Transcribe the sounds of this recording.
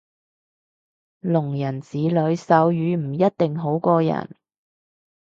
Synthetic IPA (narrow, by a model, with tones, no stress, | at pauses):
lʊ˨˩ŋjɐ˨˩nt͡siː˨˥lɵ˨˧˥ɥsɐ˨˥wjyː˨˧m̩˨˩jɐ˥t̚t̪ɪ˨ŋɦo˨˥wkɔː˧jɐ̰˨˩n